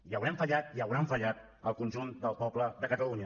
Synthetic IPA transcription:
jəwɾɛɱfəʎat̪̚iəwɾamfəʎat̪̚ | əlˠkunʲʒund̪əlˠpɔbləðəkət̪əluɲə

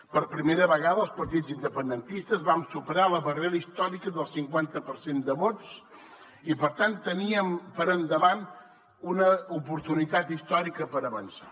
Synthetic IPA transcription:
pəɾpɾimeɾəβəɣaðəlˠspəɾt̪id͡zzind̪əpənd̪ənt̪ist̪əzβamsupəɾaləβəreɾəist̪ɔɾikəðəlˠsiŋkwant̪əpəɾsend̪əβott͡s | ipəɾt̪ant̪ːəniəmpəɾənd̪əβan | unəupuɾt̪unit̪at̪ist̪ɔɾikəpəɾəβənsa

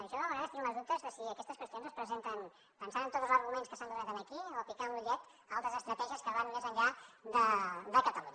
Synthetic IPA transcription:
əɾəʃɔəməɣɾaðəst̪inuləzðup̚t̪əzðəsiəkɛst̪əskwəst̪ionzəspɾəzent̪ən | pənsaɾənt̪ot̪zl̩ˠzəɾɣumẽnskəsanɡ̪ərat̪anəkiofikanluʎɛt̪ | alˠt̪ɾəzəst̪ɾət̪ɛʒiəskəβanːezəɲʎad̪əd̪əkət̪əluɲ

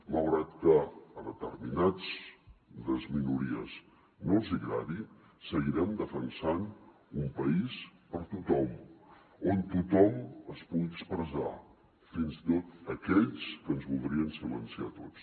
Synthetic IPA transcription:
məlˠɣɾat̪kəːðət̪ərminad͡z | d̪əzminuɾiə̰z | nolˠziɣɾaði | səɣiɾɛmd̪əfənsan | umpəispəɾt̪ut̪ɔm | ont̪ut̪ɔməspuɣiəkspɾəza̰ | finzit̪ot̪əkɛʎskənzβulˠd̪ɾiənsilənsiat̪ot͡s

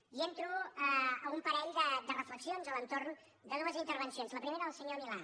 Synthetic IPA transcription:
ient̪ɾuəəumpəɾɛʎd̪əd̪ərəfləksionzələnt̪oɾn | d̪ənɔβəzint̪əɾβənsionzləpɾimeɾəðəlˠsəɲomila

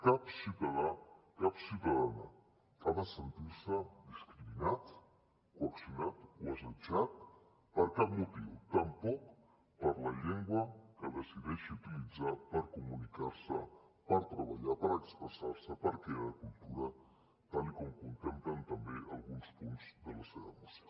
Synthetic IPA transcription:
kapsit̪aðakapsiwt̪aðana̰ | kaβəsənt̪iɾsəd̪iskɾiminat̪ | kuaksjunat̪wazad͡ʒat̪̚ | pəɾkapmut̪iwt̪ampɔk | pəɾlaʎeŋɡwɐkəðesiðeʃiut̪ilid͡zapaɾkumunikaɾsəpaɾt̪ɾaβaʎapaɾekspɾesaɾsəpaɾkɾeaɾakult̪uɾa | t̪alikomkunt̪emplant̪ambealɣunspunzðəlaseβamas

